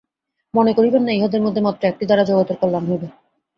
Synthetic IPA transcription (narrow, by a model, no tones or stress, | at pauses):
monekoɾibenːaeɦod̪eɾmod̪ʱːemat̪ːɾaek̚ʈid̪aɾad͡ʑɔɡot̪oɾkolːamɦojbe